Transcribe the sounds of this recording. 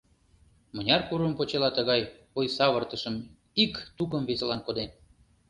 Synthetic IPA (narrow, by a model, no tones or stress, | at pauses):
mə̆nʲɑrkuɾəmpot͡ɕelɑt̪əɣɑj | ojsɑβərt̪əʃəm | ikt̪ukəmveselɑnkod̪en